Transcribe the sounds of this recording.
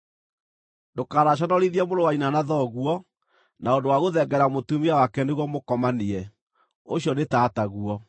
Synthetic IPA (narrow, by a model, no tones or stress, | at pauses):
dokaɾaɕ̬ɔnɔɾiðiɛmoɾowainanaðɔɣuɔ | naondowaɣoðɛɡɛɾamotumiawakɛneɣwɔmokɔmaniɛ | oɕiɔnetaːtaɣuɔ